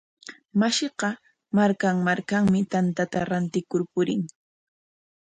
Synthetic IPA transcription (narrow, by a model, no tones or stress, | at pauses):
maʃeɢɑ | maɾkaŋmaɾkaŋmɪt̪ant̪at̪aɾant̪ɪkʊɾpʊɾɪŋ